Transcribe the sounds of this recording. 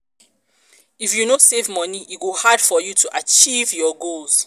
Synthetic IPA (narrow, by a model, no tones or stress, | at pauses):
ifjunosevmɔniʔitɡohad̥fɔjutʰuʔat͡ʃivjɔɡolz̥